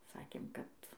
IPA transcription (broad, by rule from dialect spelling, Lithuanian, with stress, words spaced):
ˈsɑːkʲeːm kɐt